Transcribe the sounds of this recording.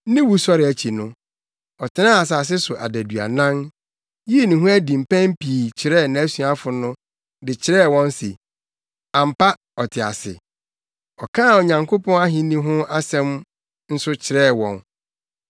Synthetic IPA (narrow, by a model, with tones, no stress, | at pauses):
nɪ̃˦wu˨sɔ˦ɾɪ˨æ˨t͡ɕʰi˨nʊ̃˦ | ɔ˨tʰɪ˨nã˦a˨s̬a˨s̬ɪ˦sʊ˨ʔa̰˨dæ˨dɥa̰˨nã˦n | ji˦e˨nʊ̃˨ɦʊ̃˦æ˦dĩ˨m̩˨pʰæ̃˦m˦pʰiː˨t͡ɕʰɪ˨ɾɛː˦˨nã˨æ˦sũ˨a˦fʊ˨nʊ̃˦ | dɪ˨t͡ɕʰɪ˨ɾɛː˦˨wɔ̃˦n˦se˨ | ã˨m̩˨pa˦ | ɔ˨tʰɪ˨a̰˨sɪ̰˨ | ɔ˨kʰãː˦˨o˨ɲã˨ŋkʰo˦pʰɔ̃˦a˦ɦɪ̃˦nĩ˦ɦʊ̃˦a˦sɛ̃˦m | n̩˦sʊ˦t͡ɕʰɪ˨ɾɛː˦˨wɔ̰̃˨n